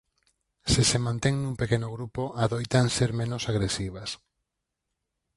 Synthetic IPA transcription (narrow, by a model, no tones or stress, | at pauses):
sɪsemãnt̪eŋnũŋpekenoɣɾupoʔaðojt̪aŋseɾmẽnʊsaɣɾesiβ̞as